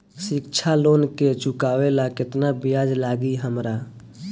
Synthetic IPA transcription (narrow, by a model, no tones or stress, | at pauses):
sɪkt͡ʃʰaloːnket͡ʃukawelakɪt̪nabijad͡ʒlaɡiɦəmɾa